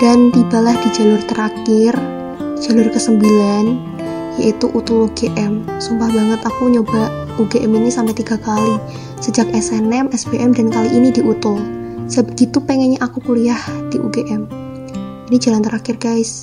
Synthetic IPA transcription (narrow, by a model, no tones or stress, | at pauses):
d̥ant̪ibalahd̥id͡ʒa̤lʊrt̪əɾakɪr | d͡ʒ̥alʊrkəsəmbilan | jait̪uʔut̪uluɡeʔɛmsumbahbaŋət̪akuɲoba | uɡeʔɛminisampɛt̪iɡ̥akali | səd͡ʒak̚ɛsɛnɛmɛsb̥eʔɛmdankaliʔinidiʔut̪ʊlsəbəɡit̪upɛŋɛɲaʔakukuliahd̥iʔṵɡeʔɛm | inid͡ʒalant̪əɾʔakɪrɡ̥ajs